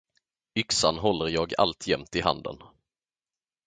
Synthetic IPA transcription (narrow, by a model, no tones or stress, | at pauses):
ʏksanɦɔlːəɾjɑːɡa̰lt̪ʰjɛmt̪ɪɦa̰nd̪ə̰n